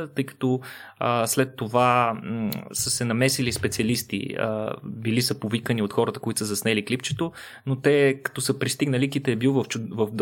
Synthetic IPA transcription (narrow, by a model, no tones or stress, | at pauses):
t̪ɤjkɐ̥t̪ɔəslɛt̪ːova | səsɛnɐmɛsilispɛt̪siɐlist̪ḭə̰bilisəpovikəniot̪xɔɾət̪əkoit̪o̥səzɐsnɛliklipt͡ʃɛt̪o | not̪ɛkɐ̥t̪ɔsəpɾist̪iɡnəlikit̪ɛːbilˠvɐft͡ʃʊvɐvd̪